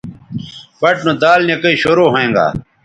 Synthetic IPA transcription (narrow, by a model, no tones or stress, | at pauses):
pɐʈnũd̪aːlnekɐiːɕoɾoːɦoẽːŋɡa̰ː